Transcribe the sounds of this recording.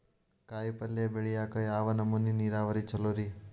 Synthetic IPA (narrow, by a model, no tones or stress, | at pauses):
kaːjpɐlːebeɭijaːkɐjaːʋɐnɐmunːiniːɾaːʋɐɾit͡ʃɐloɾi